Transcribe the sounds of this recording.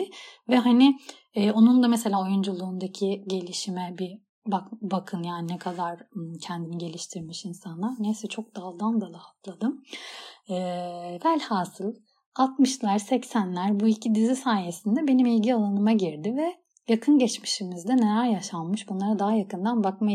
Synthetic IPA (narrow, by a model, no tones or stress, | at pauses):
vɛɦani | ɛːo̞nund̪amɛse̞lʲaːo̞jund͡ʒulˠuːnd̪acʰiɟe̞lʲiʃimɛbi | bakbakʰɯnjaːninɛkʰad̪aɾcʰɛnd̪iniɟe̞lʲiʃt̪ʰiɾmiʃinsanlˠaɾnesit͡ʃʰo̞k̚d̪alˠd̪and̪alˠaat̪lˠad̪ɯm | ɛːvælʲhaːsɯlˠ | at̪mɯʃlˠaɾsɛcsænlʲæɾbuicʰid̪izisaːje̞sind̪ɛbe̞nimilʲɟialˠanɯmaɟiɾd̪ɪvɛ | jakʰɯnɟɛt͡ʃmi̥ʃimizd̪ɛnelʲæɾjaʃanmɯʃbunlˠaɾad̪aɦajakɯnd̪anbakma